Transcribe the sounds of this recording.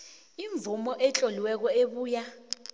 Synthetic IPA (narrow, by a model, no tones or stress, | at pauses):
iɱb̪vumɔʔɛt͡ɬʼɔliwɛk̬ɔeɓuːja